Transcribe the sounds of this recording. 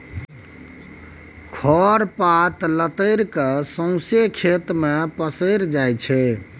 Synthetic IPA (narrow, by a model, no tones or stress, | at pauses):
kʰɔɾpat̪lət̪əɪɾkesə̃ʊ̃sekʰet̪mepəsəɾd͡ʒajt͡ʃʰɛ